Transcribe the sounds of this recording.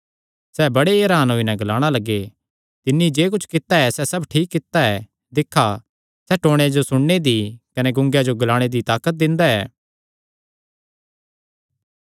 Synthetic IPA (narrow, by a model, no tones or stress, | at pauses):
sɛːbɐɽeɐɾaːnɦoːinɛ̃ɡɐlaːɽ̃alɐɡːe | t̪ɪnːiid͡ʒeːk̬ʊt͡ʃʰkɪt̪aɛsɛsɐbʈʰiːkːɪt̪ːaɛ | d̪ɪkʰːa | sɛʈoːɽ̃ejad͡ʒosʊɽned̪ikɐneɡʊ̃ŋɡjad͡ʒoɡɐlaːɽ̃ed̪it̪aːkət̪̚d̪ɪ̃nd̪aɛ̰ː